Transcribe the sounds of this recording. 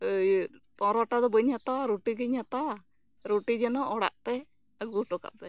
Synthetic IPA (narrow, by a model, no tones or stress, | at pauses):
t̪ɔ̃ɾɔʈad̪ɔbəɲat̪aɾuʈiɡəɲat̪a | ɾuʈid͡ʒɛnɔʔɔɽa̰ʔt̪ɛ | ɡuʈɔka̰ʔb̪ɛ